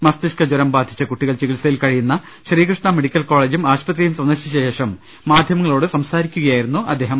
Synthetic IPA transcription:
mɐst̪iʂkɐd͡ʑoɾɐmbaːd̪ʱi̥t͡ɕːɐkuʈːiɣɐɭt͡ɕikilɐsɐjilkɐɻijunːɐ | ɕriːkrɨʂɳɐmeɽikʲːɐlko̞ːɭeːd͡ʑumaːɕpɐt̪rijumsɐnd̪ɐrɕɐɕeːʂɐmː | aːd̪ʱjɐmɐŋːɐɭo̞ːɽɨsɐmsaːɾikʲːuɣɐjaːjiɾunːuʔɐ̰d̪ːe̞ːɦɐm

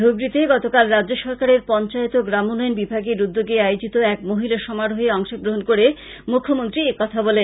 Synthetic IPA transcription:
oɡɾit̪eɡɔt̪okalɾadd͡ʑoʃɔɾkaɾeɾpɔnt͡ɕaet̪oɡɾamolɔjnbibʱaɡeɾud̪ːoɡeajod͡ʑit̪oɛkmoɦilaʃɔmaɾoɦeɔŋʃoɡɾoɦonkoɾe | mukʰːomont̪ɾiekɔt̪ʰabɔle

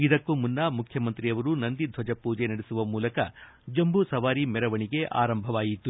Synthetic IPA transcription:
id̪ɐkːumunːɐmukʰjɐmɐnt̪ɾiɐʋɐɾunɐnd̪id̪ʱʋɐd͡ʒɐpuːd͡ʒenɐɽesuʋɐmuːlɐkɐ | d͡ʒɐmbusɐʋaːɾimɛɾɐʋɐɳiɡe̞ʔa̰ːɾɐmbʱɐʋaːjit̪ːu

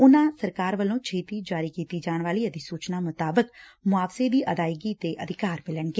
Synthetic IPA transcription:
ʊnãːsəɾkaːɾʋəlõːt͡ʃʰeːt̪iːd͡ʒaːɾiːkiːt̪iːd͡ʒaːɳ̃ʋaːliːəd̪iːsuːt͡ʃnaːmʊt̪aːbəkmʊaːfseːd̪iːʔəd̪aːɪɡiːt̪eːʔəd̪ʱɪkaːɾmɪləɳɡeː

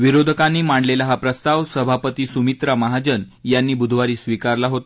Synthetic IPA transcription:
ʋiɾod̪ʱəkãnːiːmaɳɖlelaɦapɾəst̪aʋsəbʱapət̪iːsumit̪ɾaməɦad͡ʑən | janːiːbud̪ʱʋaɾiːsʋikaɾlaɦot̪a

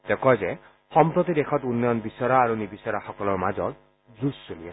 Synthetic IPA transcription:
t̪ekɔjzɛ | xɔmpɹot̪id̪exʰɔtunːjɔnbisɔɾaːɾunibisɔɾaxɔkɔlɔɹmazɔ̰t | zusːoliɛ

